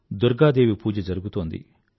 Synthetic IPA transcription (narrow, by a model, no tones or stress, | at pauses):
d̪uɾɡaːd̪eːʋipuːd͡ʒɐd͡ʒɐɾuɡut̪oːnd̪ḭ